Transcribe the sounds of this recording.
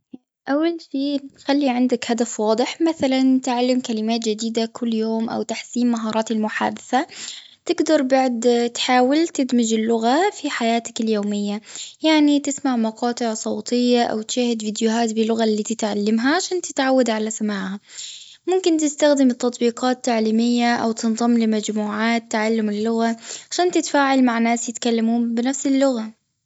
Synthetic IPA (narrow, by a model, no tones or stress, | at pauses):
ʔawːalʃiːxalːiʕɪnd̪akhad̪afwɑːd̪ˤɨɪħmaθalant̪ɪʕalːɪmkalɪmaːt̪d͡ʒɪd̪iːd̪akʰʊlːjoːmʔa̰wt̪aħsiːmːaɦɑːɾˤɑːt̪ɪlmʊħa̰ːd̪ɪθa | t̪ɪɡd̪ɑɾˤbaʕd̪t̪ħaːwɪlt̪ɪd̪mɪd͡ʒɪlːʊɣafiħajaːt̪akɪljoːmɪjːajaʕnit̪ɪsmaʕmɑqɑːt̪ˤɨʕsˤɑwt̪ˤɪjːaʔa̰wt̪ʃaːhɪd̪viːd̪jʊɦaːt̪bɪlːʊɣalːiːt̪ɪt̪ʕalːamɦaʕaʃaːnt̪ɪt̪ʕawːad̪ʕalasamaːʕha | mʊmkɪnt̪ɪst̪axd̪ɪmt̪ːɑt̪ˤbiːqɑːt̪ːaʕliːmɪjːaʔawt̪ɨnðˤɑmːlɪmad͡ʒmuːʕaːt̪ːaʕalːʊmɪlːʊɣaʕaʃaːnt̪ɪt̪faːʕɪlmaʕnːaːsjɪt̪kalːamuːmbɪnafsɪlːʊɣa